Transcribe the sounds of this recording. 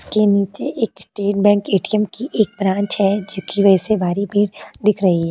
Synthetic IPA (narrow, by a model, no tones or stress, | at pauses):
ɪskeniːt͡ʃeʔeːkɪsʈeːʈ̚bɛ̃ːŋkeːʈiəmkiʔeːk̚bɾãːɲt͡ʃɦɛd͡ʒokiʋɐsebʱaːɾibʱiːɽd̪ɪkʰɾɐɦiɦɛː